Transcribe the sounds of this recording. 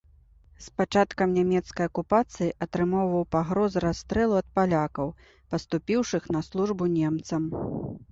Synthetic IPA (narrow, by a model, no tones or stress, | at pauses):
spat͡ʂat̪kɐmnʲamʲɛt̪skɐjɐkupat̪sɨjiʔɐt̪ɾɨmɔwvɐwpaɣɾɔzɾast̪ɾɛlˠuɐt̪̚palʲakɐw | pɐst̪upʲiwʂɨxnɐslˠuʐbunʲɛmt̪sɐm